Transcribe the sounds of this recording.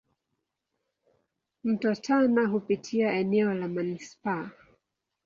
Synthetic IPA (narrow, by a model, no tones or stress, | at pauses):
m̩tɔtʰanaɦupitʰiaɛnɛɔlamanispa